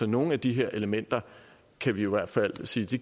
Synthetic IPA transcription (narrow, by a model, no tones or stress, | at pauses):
ɒ̽no̝ːn̩æd̥iɦeɐ̰ʔe̝ləmen̰d̥ɐ | kʰæʋiiʋæɐ̰d̥fæl̰siːd̥i